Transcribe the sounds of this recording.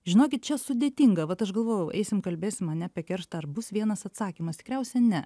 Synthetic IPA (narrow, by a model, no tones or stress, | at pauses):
ʒʲɪnoːkʲɪt̪̚t͡ʃʲɛsʊd̪ʲeːt̪ʲiŋɡɐʋɐt̪ɐʃɡɐlˠʋoːjɛʊʔɛɪsʲɪmkɐlʲbʲeːsʲɪmɐnʲɛpʲiɛkʲɛɾʃt̪ɐɐrbʊsʋʲiɛnɐsɐt̪sɑːkʲiːmɐst̪ʲɪ̥kɾʲɛʊsʲɛnʲɛ